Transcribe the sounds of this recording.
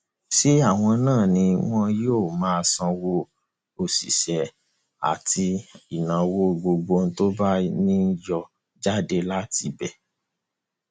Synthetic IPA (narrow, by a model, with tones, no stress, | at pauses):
ʃi˦a˦˨w̃ɔ̃˧nãː˦˨nĩ˧w̃ɔ̃˦joː˦˨mãː˨˦˧sɔ̃˧wo˧ | o˨sḭ˨ʃɛ˨ | a̰˨tʰi˧i˨nã˨wo˧ɡ͡bo˧ɡ͡bo˧n̩˦to˦ba˦nĩ˦jɔ˧ | d͡ʒa˦de˧la˦ti˧bɛ˦˨